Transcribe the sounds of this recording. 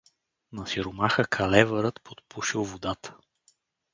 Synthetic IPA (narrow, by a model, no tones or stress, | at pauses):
nɐsiɾʊmaxəkʰɐlɛvəɾət̪pʰot̪̚puʃilˠvod̪at̪ə̥